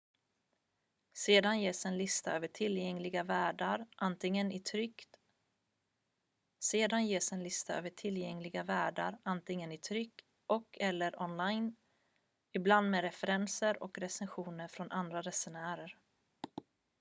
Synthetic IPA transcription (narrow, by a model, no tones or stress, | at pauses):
seːd̪anjeːsɛnlɪst̪aøːvəʈʰɪljɛŋlɪɡavæːɖaɾʔant̪ɪŋːənɪt̪ʰɾʏkt̪ | seːd̪anjeːsɛnlɪst̪aø̰ːvəʈʰɪljɛŋlɪɡavæːɖa̰ɾant̪ʰɪŋːənɪt̪ʰɾʏkː | ʔɔkʰɛlːəɾʔɔnlajn | ɪbland̪meːɾɛfɛɾɛnsəɾɔ̰kɾɛsɛnɧuːnəɾfɾɔnʔand̪ɾaɾɛsɛnæːɾəɾ